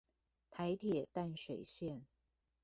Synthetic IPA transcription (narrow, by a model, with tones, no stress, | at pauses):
t̪ʰa˧˥ɪt̪ʰjɛ˨˩t̪a˥˩nʂwe˨˩ɪɕjɛ˥˨n